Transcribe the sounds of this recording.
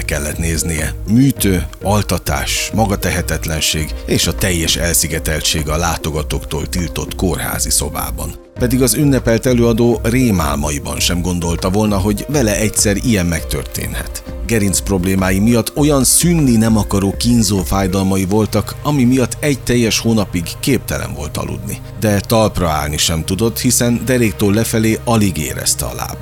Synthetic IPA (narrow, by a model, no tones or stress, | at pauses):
kɛlːɛt̪neːznijɛmyːt̪øːɒlt̪ɒt̪a̰ːʃmɒɡɒt̪ɛɦɛt̪ɛt̪lɛnʃeːɡeːʃɒt̪ɛjːɛʃɛlsiɡɛt̪ɛlt͡ʃeːɡɒlaːt̪o̞ɡɒt̪o̞kt̪o̰ːlt̪ilt̪o̞t̪ko̞rha̰ːzisoba̰ːbɒ̰n | pɛd̪iɡɒzynːɛpɛlt̪ɛløːɒd̪oːreːma̰ːlmɒjibɒ̰nʃɛmɡo̞n̪d̪o̞lt̪ɒvo̞lnɒɦo̞ɟvɛlɛɛc̪sɛɾijɛmːɛkt̪ø̰rt̪ḛːnhɛ̰t̪ | ɡɛɾinspro̞bleːmaːjimijɒt̪ːo̞jɒnsynːinɛmɒkɒɾoːkinzoːfaːjd̪ɒlmɒjivo̞lt̪ɒkɒmimijɒt̪ʰːɛɟ̚t̪ɛjːɛʃhoːnɒpiɡkeːp̚t̪ɛlɛ̰ɱvo̞̰lt̪ʰɒ̰lʔṵd̪nḭ | d̪ɛt̪ɒlprɒa̰ːlniʃɛmt̪ud̪o̞t̪hisɛnd̪ɛɾeːkt̪oːlɛfɛleːʔɒliɡḛːɾɛ̰st̪ɛɒ̰la̰ːb̥